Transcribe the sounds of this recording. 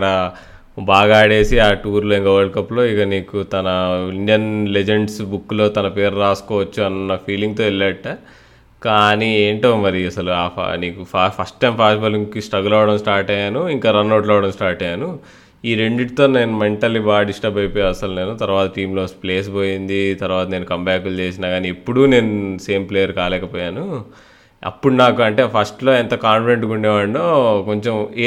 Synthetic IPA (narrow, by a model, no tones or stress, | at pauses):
kɐɽɐ | baːɡaːɽe̞ːsiaːʈuːɾloːiŋkɐʋɐɭkɐpːlo̞ːikɐniːkut̪ɐnɐiɳɖijɐnled͡ʒeɳɖsbukːlo̞ːt̪ɐnɐpe̞ːɾɾaːsu̥kɔːʋɐt͡ʃːuɐnːɐpʰiːliŋɡ̚t̪o̞ːilːɐʈːa | kaːnieːɳʈoːmɐɾiɐsɐlua̰ːniːkupapʰɐsʈːɐjmpʰaːsʈibɐliŋkisʈɐɡulɐʋɐɽɐmsʈaːɾʈɐjaːnuiŋkaːɾɐnːoːʈlɐʋɐɽɐmsʈaːɾʈɐjaːnu | iːɾeɳɖiʈit̪o̞ːne̞ːnumeɳʈɐlːibaːɖisʈɐbɐjpoːjaːɐsɐluneːnut̪ɐɾuʋaːt̪ɐʈiːmlo̞ːsple̞ːs̬bo̞ːjind̪it̪ɐɾuʋaːt̪ɐne̞ːnukɐmbɛːkult͡ʃe̞ːs̬inaːɡaːniepːuɽune̞ːnuse̞ːmpleːjɐɾkaːlɛːkɐpɔːjaːnu | ɐ̰pːuɽunaːkuɐɳʈe̞ːpʰɐsʈlo̞ːɛnt̪ɐkaːnfiɽeɳʈɡuɳɖɛːʋaːɽnoːko̞ɲt͡ʃe̞mː